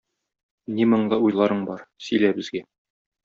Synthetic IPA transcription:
nimɤ̆ɴd̪ɤujlˠɑɾɤɴbɒɾsɵ̆jlæbɘ̆zɡæ

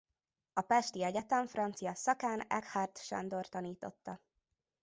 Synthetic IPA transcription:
ɒpɛʃt̪iɛɟɛt̪ɛɱfrɒnt̪sijɒsɒkaːnɛ̰khart̪ʃɛ̰nd̪o̞rt̪ɒniːt̪o̞̰t̪ːɒ

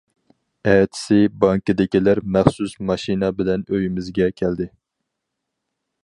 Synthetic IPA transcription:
ɛːt̪ʰɪ̥sɪbɑŋkɨd̪ɪkʲilæɾmæχsusmɑʃinɑbɪlɛnøjimɪzɡʲɛkʲʰæld̪ɪ

